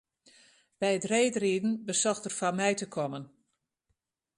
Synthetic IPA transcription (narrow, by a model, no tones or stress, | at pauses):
b̥ɛjətreːtriːdn̩bəsɔxtərfamɛjtəkʰɔmən